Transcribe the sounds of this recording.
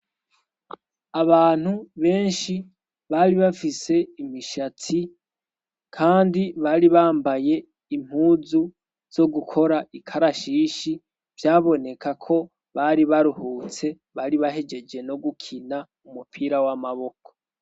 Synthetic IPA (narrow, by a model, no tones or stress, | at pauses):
aβaːn̥huβe̞ːnʃi | βaɾiβafise̞imiʃatʰi | kʰaːndiβaɾiβaːmbaje̞ | im̥huːzu | z̥o̞ɡukʰo̞ɾaʔikʰaɾaʃiːʃi | vjaːβo̞ne̞kʰakʰo̞ | βaɾiβaɾuhuːt͡se̞ | βaɾiβaɦe̞d͡ʒe̞d͡ʒe̞no̞ɡukʰina | umupʰiɾawamaβo̞ko̥